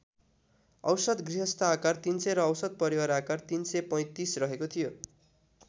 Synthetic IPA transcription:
ʌ̰wsʌd̪ɡriɦʌst̪aakart̪inseɾʌːwsʌd̪̚pʌɾiwaɾakart̪insepʌj̃t̪isrʌɦekot̪ʰijo

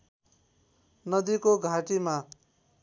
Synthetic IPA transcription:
nʌd̪ikoɡʱaʈima

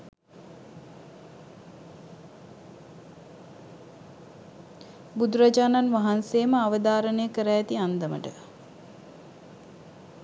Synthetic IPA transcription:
bud̪uɾad͡ʒaːnanʋaɦanseːməaʋəd̪aːɾənəjəkəɾæjːt̪iand̪əmə̰ʈə̰

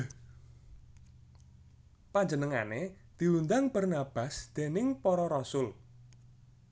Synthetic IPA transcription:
paɲd͡ʒənəŋa̰ne | d̪̥i̤wund̪aŋb̥ərnab̥a̤sd̪̥enɪŋpɔɾɔɾɔsʊl

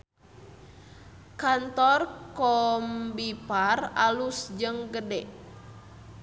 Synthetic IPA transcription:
kant̪ɔrkɔmbiparalusd͡ʒɨŋɡədɛʔ

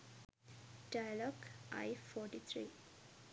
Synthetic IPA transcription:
ɖajalɔɡʔa̰jfɔːʈit̪ʰɾiː

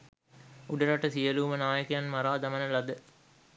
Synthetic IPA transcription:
uɖɐɾaʈəsijəluːmənaːjəkejanmɐɾaːd̪ɐmɐnəlɐd̪ə

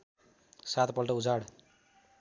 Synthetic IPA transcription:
sat̪pʌlʈʌud͡zaɽ

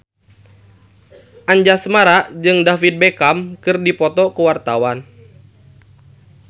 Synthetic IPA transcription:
ʔaɲd͡ʒasmaɾaʔd͡ʒɨŋdafit̪̚bekamkɨrdipɔt̪ɔkəwart̪awan

